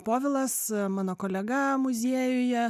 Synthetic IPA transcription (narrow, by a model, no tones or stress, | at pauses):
poːʋʲɪlˠɐsmɑːnoːkoːlʲɛɡɐmʊzʲiɛjʊjɛ